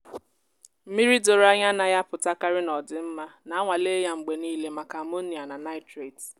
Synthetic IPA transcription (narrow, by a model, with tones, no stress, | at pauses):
m̩˦mi˦ɾi˦do˨ɾa˦ɲa˦na˨ja˦pʊ˨ta˦ka˦ɾɪ˦nɔ˨dɪ˨m̩˦ma˦na˨a˦ŋʷa˨le˦ja˦ŋ͡m̩˨ɡ͡be˨niː˦le˦ma˨ka˨mo˦ni˨a˨na˨na˦ɪ˦tɾe˨t